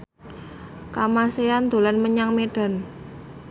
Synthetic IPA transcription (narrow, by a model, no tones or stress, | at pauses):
kamaseand̪̥o̤lanməɲaŋmeɖ̥a̤n